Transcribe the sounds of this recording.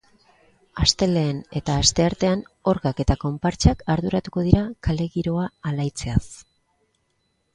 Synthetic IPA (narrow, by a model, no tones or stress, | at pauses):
ast̪e̞le̞ːne̞t̪aːst̪e̞aɾt̪e̞ano̞ɾɣake̞t̪ako̞mpaɾt͡ʃakaɾðuɾat̪uko̞ð̞iɾakʰale̞ɣiɾo̞aːlajt͡se̞as